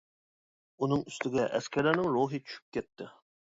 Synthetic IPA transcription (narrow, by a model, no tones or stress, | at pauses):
unɨŋyst̪ɪɡʲɛʔɛskʲæɾlæɾnɪŋɾoɦɨt͡ʃʰy̥ʃy̥p̚kʲɛt̪ʰːɪ